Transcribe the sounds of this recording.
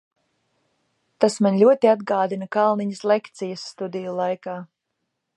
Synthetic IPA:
t̪asmaɲʲlʲuɔt̪iad̪ɡaːd̪inakalˠniɲɐslɛkt̪sijasːt̪ud̪ijulˠajkaː

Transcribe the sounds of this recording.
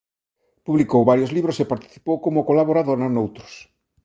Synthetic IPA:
puβlikowβaɾjozliβɾosepaɾt̪i̥θi̥powkomʊkolaβoɾaðonanowt̪ɾo̥s

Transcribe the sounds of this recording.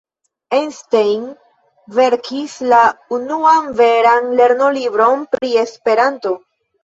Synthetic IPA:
enstejn | ve̞ɾkʰislaunuanveɾanle̞ɾno̞libɾo̞npɾie̞spe̞ɾanto̞

